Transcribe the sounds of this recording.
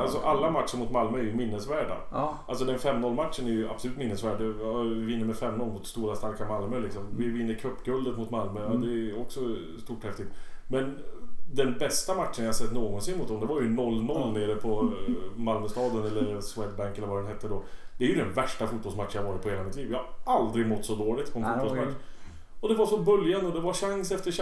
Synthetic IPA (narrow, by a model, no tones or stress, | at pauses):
alsɔʔalːamat̪ʂənmʊt̪malmœæɾjɵmɪnːəsvæːɖa̰ʔals̬ɔd̪ɛnfɛmːnɔlːmaʈ̪ʂənɛɾjɵa̰b̥sɔlʉːt̪mɪnːəsvæːɖːɛɪvɪnːəɾmɛfɛmnɔlmʊt̪st̪uːɾast̪aɾkamalmœlɪksɔmvɪvɪnːəɾkʰɵpːɡɵld̪ət̪mʊt̪malmœad̪ɛɔksɔ | st̪uːʈːhɛft̪ɪk̚t̪mɛnd̪ɛnbɛst̪amaʈʂənjajhasɛt̪ːnoːɡɔnsɪnmʊt̪̚d̪ɔmd̪ɛvajɵnɔlːnɔlːneːɾəpʰɔmalmœst̪ɑːd̪ənɛlːəɾswɛd̪bæŋkɛlːəvad̪ɛnɦɛt̪ːəɖɔd̪̥ɛæɾjɵd̪ɛnvæʂʈafut̪̚bɔlsmat̪ʂːjahavɑːɾɪt̪̚pɔheːlamɪt̪ʰliːvjɪhaɾald̪ɾɪɡmɔt̪ːsɔd̪oːɭɪɡt̪pʰɔɛnfuːbɔlsmaʂ | ɔd̪ɛvaɾʂɔbɵljanɔd̪ɛvaʂaŋsɛft̪əʂ